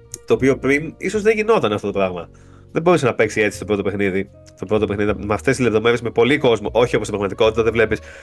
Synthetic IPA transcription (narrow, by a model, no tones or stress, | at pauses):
t̪o̞ːpio̞pɾiniso̞zðe̞ɲʝino̞t̪ɐneɐft̪ot̪opɾɐɣmɐ | ðebo̞ɾusenɐpe̞ksie̞t͡si̥st̪pɾo̞t̪o̞pe̞xniði | t̪o̞pɾo̞t̪o̞pexniðimeɐft̪e̞st̪izlepðo̞me̞ɾesme̞po̞liko̞zmoʔo̞çioposibɾɐɣmɐt̪iko̞t̪it̪ɐðevle̞pis